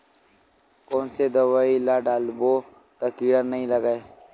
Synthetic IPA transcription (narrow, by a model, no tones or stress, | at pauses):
koːnsed̪əwaːilaːɖaːlboː | t̪əkiːɽanəɦĩləɡae